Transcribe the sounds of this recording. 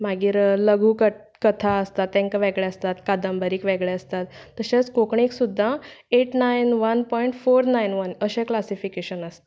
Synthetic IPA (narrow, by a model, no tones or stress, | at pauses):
maɡiːɾləɡʱuːkə | kət̪ʰaəst̪at̪ːɛ̃ŋkaʋeɡɭɛəst̪at̪kad̪əmbəɾiːkʋeɡɭeəst̪at̪ːəɕat͡skokɳiksud̪ʱːãeʈnajnʋənpɔiɳʈfoɾnajnʋənəɕẽklasifikeɕənəst̪e